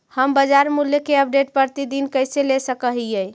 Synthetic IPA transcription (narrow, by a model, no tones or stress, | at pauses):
həmbəd͡ʒaɾmuljəkeəp̚ɖeʈ̚pəɾt̪id̪inkəjselesəkəɦijəj